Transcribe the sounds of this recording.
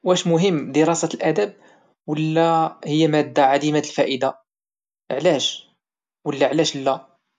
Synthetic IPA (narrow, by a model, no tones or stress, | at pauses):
wæʃmʊɦəmːd̪əɾɑsæt̪əlʔæd̪æb̚ | wəlːæhəjːæmæd̪ːaʕad̪imat̪əlfæʔəd̪a | əʕlæʃ | wəlːæʕlæʃlːæ